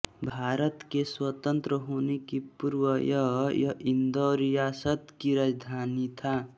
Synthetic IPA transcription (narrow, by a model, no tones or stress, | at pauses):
bʱaɾʌt̪keswʌt̪ənt̪ɾəɦunekipuɾwʌjʌɦjʌind̪oɾijasʌt̪kiɾad͡ʒd̪ʱanit̪ʰa